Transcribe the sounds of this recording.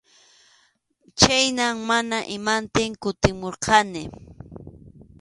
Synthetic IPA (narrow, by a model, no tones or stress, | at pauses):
t͡ʃajnaŋmanaʔɪmant̪ɪŋkʊt̪ɪmoɾqʰɑnɪ